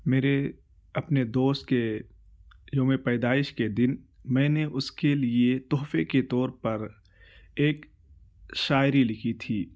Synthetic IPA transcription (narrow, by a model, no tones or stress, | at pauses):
meːɾe | ɐpned̪oːst̪̚ke | d͡ʒõːmẽpɛːd̪aːɪʃked̪ɪn | mɛ̃ːneʔʊskeliet̪ɔːfeket̪ɔːɾpɐɾ | eːk | ʃaːɪɾilɪkʰit̪ʰiː